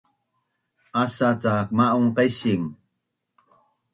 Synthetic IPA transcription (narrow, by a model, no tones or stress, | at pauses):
asat͡sak̚maʔuŋqajsiŋ